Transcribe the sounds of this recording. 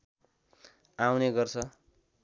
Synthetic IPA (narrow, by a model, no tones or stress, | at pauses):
awneɡʌrt͡sʰʌ